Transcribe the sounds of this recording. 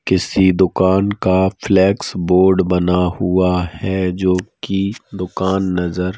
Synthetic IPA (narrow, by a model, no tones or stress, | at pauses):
kɪsid̪ʊkaːnkaflɛːksboːɾɖbɐnahuahɛd͡ʒoːkid̪ʊkaːnːɐzəɾ